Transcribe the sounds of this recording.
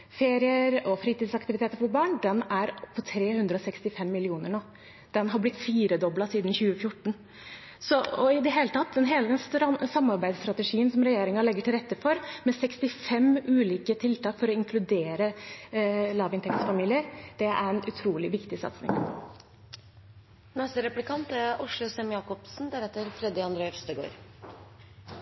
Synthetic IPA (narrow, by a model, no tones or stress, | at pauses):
feːɾɪəɾɔfɾiːt̪iːd̪sɑkt̪ɪʋɪt̪ʰeːt̪əɾfɔɾbɑːɳd̪ɛnæɾpʰɔt̪ʰɾeːhʉnd̪ɾəɔsɛkst̪ɪfɛmːɪlɪuːnəɳoː | d̪̥ɛnɦɑblɪt̪fiːɾəd̪ɔblɑsiːd̪nçʉːəfjʊʈːɳ̩ | sɔɔɪd̪ɛɦeːlət̪ʰɑt̪ːd̪ɛnɦeːləd̪ɛnsɾɑsɑmːɑɾbæɪd̪st̪ɾɑt̪əʂiːənsɔmɾɛjeːɾɪŋɑlɛɡːəʈʰɪlɾɛt̪ːəfɔɾmɛsɛkst̪ɪfɛmʉːliːkət̪ʰɪlt̪ɑːkfɔɾɔɪŋkʰlʉd̪eːɾə | lɑːʋɪnt̪ʰɛkt̪sfɑmiːlɪəɾd̪̥ɛæ̰ɾɛnʉt̪ʰɾuːlɪʋɪkt̪ɪsɑ̰t̪snɪ̰ŋ | nɛst̪əɾɛplɪkʰɑnt̪æɾʊʂlʊsɛmjɑːkɔpsn̩d̪əɾɛt̪ːəɾfɾɛd̪ɪɑnd̪ɾœfst̪əɡo̰ːɾ